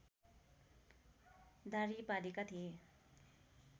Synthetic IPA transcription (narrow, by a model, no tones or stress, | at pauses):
d̪aɾipalikat̪ʰie